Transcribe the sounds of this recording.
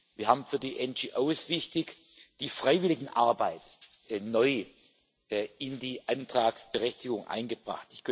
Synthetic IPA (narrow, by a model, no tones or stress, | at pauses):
viːɐhaːbm̩fyːɐdiːʔɛnd͡ʒiʔoʊsv̥ɪçtɪç | d̥iːfʁ̥aɪvɪlɪɡŋ̩ʔaɐbaɪt | nɔʏ | ɪndiːʔantʁ̥aːksb̥əʁɛçtɪɡʊŋʔa̰ɪnɡəbʁa̰χtɪçkʰ